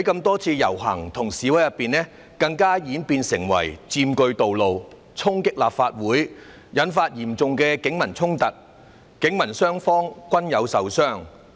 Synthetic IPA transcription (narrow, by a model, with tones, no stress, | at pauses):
hɐ˨˦jkɐ˧mt̪ɔː˥t͡sʰiː˧jɐ̰˨˩wɦɐ̰˨˩ŋt̪ʰʊ˨˩ŋsiː˨˥wɐ˨˥jɐ˨pːiː˨nɛː˥ | kɐ˧ŋkaː˥jiː˨˥npiː˧nsɪ˨˩ŋwɐ̰˨˩jt͡siː˧mkɵ˧ɥt̪o˨wlo˨w | t͡sʰʊ˥ŋkɪ˥k̚laː˨p̚faː˧t̚wuː˨˥j | jɐ˨˥nfaː˧t̚jiː˨˩mt͡sʊ˨ŋkɛː˧kɪ˨˥ŋmɐ˨˩nt͡sʰʊ˥ŋt̪ɐ˨˩t̚ | kɪ˨˥ŋmɐ˨˩nsœː˥ŋfɔː˥ŋkʷɐ˥njɐ˨˧wsɐ˨wsœː˥˩ŋ